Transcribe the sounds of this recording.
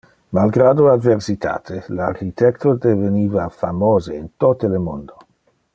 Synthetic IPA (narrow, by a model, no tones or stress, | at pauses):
malɡɾaːd̪oad̪versit̪ʰa̰ːt̪ʰelarkit̪ɛkt̪od̪eveniːvafamoːzeint̪ot̪elemond̪o